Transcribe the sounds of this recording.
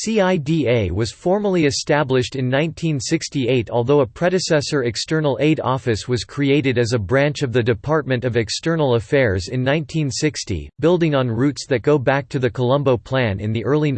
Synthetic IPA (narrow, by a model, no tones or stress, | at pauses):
siaɪdieɪwʌz̥ffɔɹmə˞l̩ˠiɨstæblɨʃtɨ̃nːãɪ̃ntʰĩnsɪkstieɪɾɔlˠðoʊəpʰɹ̥ɛɾɨsɛsə˞ɨkstɜ̃˞nl̩ˠeɪɾɔ̰fɨswʌz̥kʰɹ̥ieɪɾɨɾɨzɨbɹæ̃nt͡ʃʌvðɨdɨpʰɑɹt̚mɨ̃ntʌvɨkstɜ˞nl̩ˠəfɛɹzɨ̃nːãɪ̃ntʰĩnsɪkstḭbɪlˠdɪ̃ŋə̃nɹʉtsðɨt̚ɡ̥oʊbæk̚tʰɨðɨkʰəlʌ̃mboʊpʰl̥æ̃nɨ̰̃nðiʔɜ˞lˠi